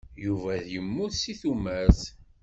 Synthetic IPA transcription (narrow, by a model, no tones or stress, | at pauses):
juvæðjəmːuθsiθumæθ